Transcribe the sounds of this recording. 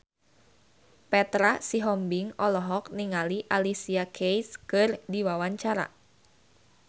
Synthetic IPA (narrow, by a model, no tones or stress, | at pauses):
pɛt̪ɾasiɦɔmbɪŋɔlɔɦɔk̚niŋaliʔalisiakʰejskɨrdiwawaɲt͡ʃaɾa̰